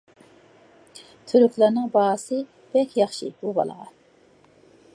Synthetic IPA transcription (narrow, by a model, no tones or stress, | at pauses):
t̪ʰyɾykʲlæɾnɪŋbɑsɨ | b̥ɛkʲjɑχʃɨ̰bubɑ̰lˠə̰ʁɑ